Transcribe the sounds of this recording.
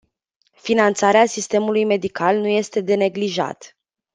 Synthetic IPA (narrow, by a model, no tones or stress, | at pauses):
finant̪saɾeasist̪e̞mulujme̞d̪ikalnuje̞st̪e̞d̪e̞ne̞ɡliʒa̰t̪